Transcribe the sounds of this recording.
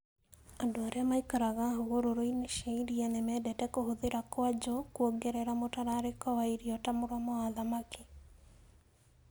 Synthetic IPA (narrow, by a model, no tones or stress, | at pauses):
adwaɾɛamaikaɾaɣaɦoɣoɾoɾoineʃeiɾianɛmɛdɛtɛkoɦoðeɾakwad͡ʒokwoɡɛɾɛɾamotaɾaɾekɔwaiɾiɔtamʊɾamɔaðamake